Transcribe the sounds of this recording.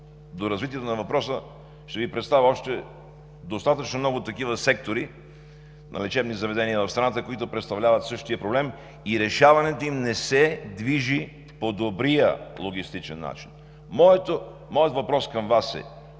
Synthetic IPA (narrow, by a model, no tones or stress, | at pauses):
d̪oɾɐzvit̪iɛt̪onɐvɐpɾɔsə | ʃt̪ɛvipɾɛt̪st̪avʲiɔʃt̪ɛ | d̪ost̪at̪ət͡ʃnomnɔɡʊt̪ːɐkivəsɛk̚t̪oɾi | nʔɐ̰lɛt͡ʃɛbnizɐvɛd̪ɛniəvɐfst̪ɾɐnat̪əkoit̪ʊpɾɛt̪st̪ɐvlʲavɐt̪sɤʃt̪ijəpɾoblɛm | iɾɛʃavɐnɛt̪oimnɛsɛd̪viʒi | pod̪obɾijəlˠoɡ̟ist̪it͡ʃɛnːa̰t͡ʃin | mɔɛt̪o | mɔjət̪vɐpɾɔskɐmvasɛ̰